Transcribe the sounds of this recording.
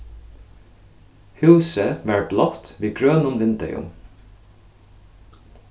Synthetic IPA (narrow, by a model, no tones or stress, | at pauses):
hʉːsəʋɑːɹblɔft̪ʋiːɡɹøːnʊnʋɪnt̪ɛ̰jʊ̰m